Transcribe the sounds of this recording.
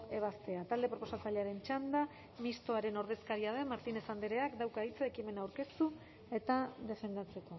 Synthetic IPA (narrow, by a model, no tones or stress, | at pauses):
e̞β̞ast̪e̞at̪ald̪e̞pɾo̞po̞sat͡saʎeaɾe̞nt͡ʃand̪a | mist̪o̞aɾe̞no̞ɾðe̞skaɾiað̞emaɾt̪ine̞sand̪eɾe̞akd̪awkait͡saekime̞naːwɾke̞st̪u | e̞t̪aðe̞fe̞nd̪at͡se̞ko̞